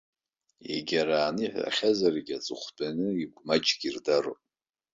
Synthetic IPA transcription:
ḛɡʲaɾaːnɨħʷa̰χʲazarɡʲat͡sʼɨχʷbʼanɨiɡʷmat͡ʃʼɡʲirdaropʼ

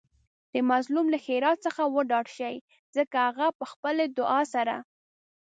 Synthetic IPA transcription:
d̪̥əmazlumlaxeɾɑt̪̚səxawəɖɑɽʃaj | zəkahaɣapəxpəled̪ʊʔɑsaɾa̰

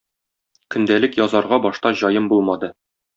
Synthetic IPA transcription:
kɵ̆nd̪ælɘkjɒzɑɾʁɑbɒʃt̪ɑʑɒjɤmbulˠmɑd̪ɤ

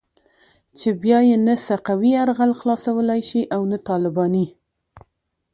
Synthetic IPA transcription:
t͡ʃebjɑjenasaqawiaɾɣalxlɑsawəlajʃiʔawnat̪ɑlɪbɑni

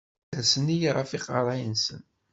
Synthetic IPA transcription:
æsənijʁˤəfiqɑɾˤɑjənsə̰n

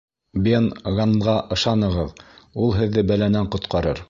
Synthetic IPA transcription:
benʁɑɴʁɑʔɤ̆ʃɑnɤ̆ʁɤðulˠɦɘ̆ðːɘbælænæɴqŏt̪qʰɑɾɤɾ

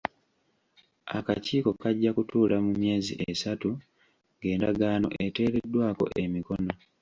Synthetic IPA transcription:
a̰kaciːko̞kaɟːakutuːlamumje̞ːzḭʔesatu | ŋɡe̞ːndaɡaːno̞̰ʔe̞te̞ːɾe̞dːwaːko̞̰ʔe̞miko̞no

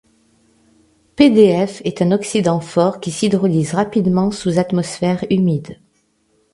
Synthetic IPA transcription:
ped̪eɛfɛt̪ɛ̃nɔksid̪ɑ̃fɔʁkʲisid̪ʁɔlizʁapid̪mɑ̃suzat̪mɔsfɛʁymid̪

